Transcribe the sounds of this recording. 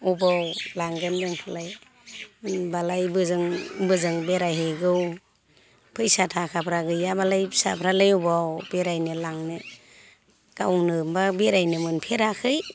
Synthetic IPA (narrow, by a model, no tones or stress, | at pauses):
ubawlaŋɡendɯŋpʰalaj | mɯnbalajbɯzɯŋbɯzɯŋbeɾajɦɯɡɯw | pʰɯjsatʰakʰapʰɾaɡɯjabalajsapʰɾalajubawbeɾajnɯlaŋnɯ | kawnɯmbabeɾajnɯmɯnpʰeɾakʰɯj